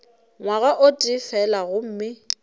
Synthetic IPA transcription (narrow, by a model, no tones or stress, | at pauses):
ŋwaɣaʔʊtʼɪfɛlaɣʊm̩ːmɪ